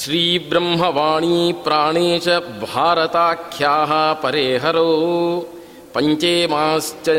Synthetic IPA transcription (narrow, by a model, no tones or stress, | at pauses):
ʃɾiːbɾɐmɦɐʋaːɳ̃ipɾaːɳeːt͡ʃɐbʱaːɾɐt̪aːkʰjaːɦɐpɐɾeːɦɐɾoː | pɐɲt͡ʃeːmaːst͡ʃɐ